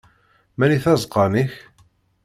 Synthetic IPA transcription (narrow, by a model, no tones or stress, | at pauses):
mæniθæzˤqɑniç